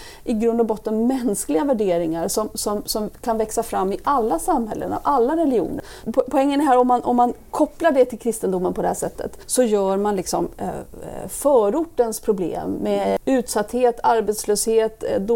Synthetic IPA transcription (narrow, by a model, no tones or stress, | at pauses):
ʔɪɡɾɵnd̪ɔbɔt̪ːənmɛnsklɪɡavæɖeːɾɪŋaɾʂɔmsɔmsɔmkʰanvɛksafɾamːɪʔalːasamhɛ̰lːə̰na̰vʔalːaɾɛlɪṵːnəɾʰ | pʰɔɛŋːənæɦæːɾɔmːanʔɔ̰mːankʰɔpːlaɖɛt̪ʰɪlkʰɾɪst̪ənd̪ʊmːənpʰɔd̪ɛhæːʂɛt̪ʰːə̰t̪sɔjœːɾmanlɪksɔm̰ | fœːɾʊʈːənspʰɾʊblḛːmːɛʉ̟ːt̪sat̪ːheːt̪ʰaɾbet̪sløːsheːt̪d̪